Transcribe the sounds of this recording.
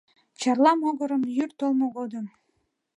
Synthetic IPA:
t͡ɕɑrlɑmoɣə̆ɾə̆mjyrt̪olˠmoɡod̪əm

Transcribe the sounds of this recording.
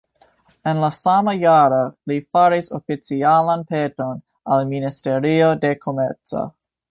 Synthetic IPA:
e̞nlasamajaɾolifaɾisofit͡sialanpeto̞n | alministe̞ɾio̞de̞kʰo̞meɾt͡so̰

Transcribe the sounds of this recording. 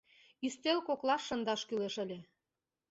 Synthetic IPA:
ist̪elkoklɑʃːə̆nd̪ɑʃkyleʃə̆lʲĕ

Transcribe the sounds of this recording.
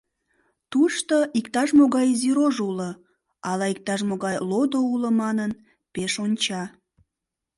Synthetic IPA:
t̪uʃt̪oʔikt̪ɑʃmoɣɑjziɾoʒulə | ɑlɑik̚t̪ɑʃmoɣɑjlod̪ouləmɑnən | peʃonʲt͡ɕɑ

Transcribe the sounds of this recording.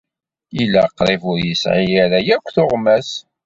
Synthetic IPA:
ilːæqːɾˤevʊɾjəsʕijæɾæjækʷːθoʁmæs

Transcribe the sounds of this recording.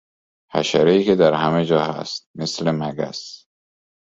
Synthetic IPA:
hæ̰ʃæɾeiːked̪æɾhæmed͡ʒɒːhæ̰st̪̚meslemæɡæ̰s

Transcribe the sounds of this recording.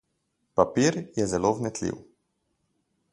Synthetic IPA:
papiɾjɛzɛlovnɛt̪lḭw

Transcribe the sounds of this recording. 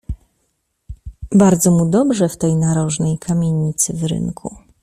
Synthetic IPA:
baɾd̪zɔmud̪ɔbʐɛft̪ɛjnaɾɔʐnɛjkʰamʲjeɲit̪sɘvɾɘ̰ŋkʰṵ

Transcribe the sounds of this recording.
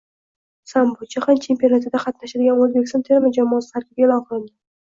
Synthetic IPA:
sambot͡ʃʰaχant͡ʃʰe̞mpʲjonat̪ʰɪd̪aqʰɑt̪naʃɪd̪ɪɡʲanozbʲekʲsant̪ʰe̞ɾmad͡ʒamɒːsɪ̥t̪ʰaɾkʲɪp̚ɡʲalɒqɾɪnd̪ʲɪ

